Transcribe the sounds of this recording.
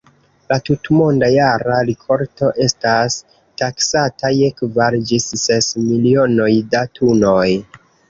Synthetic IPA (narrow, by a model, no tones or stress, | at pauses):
latutmo̞ndajaɾaɾikʰo̞ɾto̞ʔe̞stas | taksatʰaje̞kvaɾd͡ʒisːesmilio̞no̞jdatʰuno̞j